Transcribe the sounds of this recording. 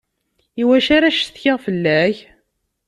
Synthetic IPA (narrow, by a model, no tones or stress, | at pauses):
iwæʃaɾaʃθçɪʁfəlːæç